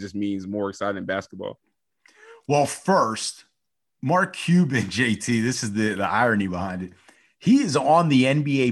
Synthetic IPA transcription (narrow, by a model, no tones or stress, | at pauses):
d͡ʒʌsmĩnzmɔɹɨksaɪɾɨɾn̩bæskt̚b̥ɔ̰lˠ | wɛlˠfɜ˞st̚ | mɑɹkʰj̥ʉbɨ̃nd͡ʒeɪtʰiðɪsɨzðiðiʔa̰ɪɹɨnibəhãɪ̃ndɨt̚ | hiɪz̃n̩ðiɛ̃nbieɪ